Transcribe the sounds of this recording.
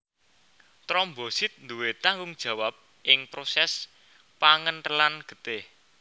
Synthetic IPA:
t̪ɾɔmbosɪt̪̚nd̪uwet̪aŋɡʊŋd̥ʒ̥ä̤wap̚ | ʔɪŋpɾosɛs | paŋənʈəlanɡ̥ə̤t̪eh

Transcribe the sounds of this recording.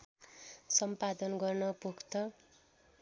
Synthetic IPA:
sʌmpad̪ʌnɡʌrnʌpukt̪ʌ

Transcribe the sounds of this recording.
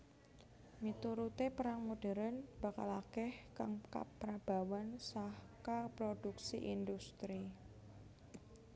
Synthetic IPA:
mit̪uɾut̪epəɾaŋmuɖ̥ɛ̤ɾənb̥aka̰lakɛhkaŋka̰pːɾab̥a̤wansahkapɾod̥uksiʔind̪ust̪ɾi

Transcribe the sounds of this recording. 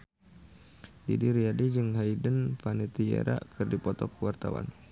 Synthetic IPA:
dḭdiɾiadid͡ʒɨŋɦaidənfanit̪iḛɾa̰kɨrdipɔt̪ɔkuwart̪awa̰n

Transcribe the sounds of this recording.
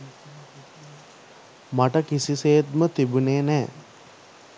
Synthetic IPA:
maʈəkisiseːt̪mət̪ibuneːnɛː

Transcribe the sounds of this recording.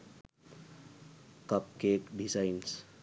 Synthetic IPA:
kɐp̚keːkɖisaɪns

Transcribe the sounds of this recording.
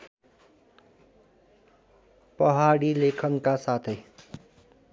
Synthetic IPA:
pʌɦaɽilekʰʌnkasat̪ʰʌj

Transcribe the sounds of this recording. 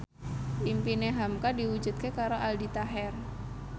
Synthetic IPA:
ʔimpineɦamkadiwud͡ʒut̪̚kekaɾoʔaldit̪aɦɛr

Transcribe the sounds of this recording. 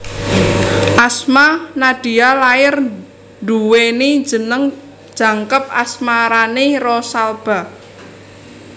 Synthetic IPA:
ʔasmanaɖ̥i̤alaɪr | ɳɖuwenid͡ʒənəŋ | d̥ʒ̥a̤ŋkəp̚a̰smaɾanerɔsalb̥a̤

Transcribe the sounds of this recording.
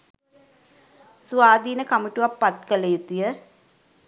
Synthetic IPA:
suʋaːd̪iːnəkamuʈuʋapːat̪kəlet̪ijə

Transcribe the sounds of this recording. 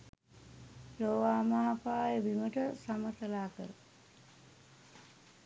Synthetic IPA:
loːʋaːmaɦapaːjəʋiməʈəsamət̪əlaːkəɾə̰

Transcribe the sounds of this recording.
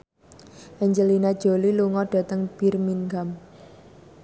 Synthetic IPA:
ʔɛɲd͡ʒəlinad̥ʒ̥o̤liluŋɔɖ̥a̤t̪əŋb̥i̤rmiŋɡam

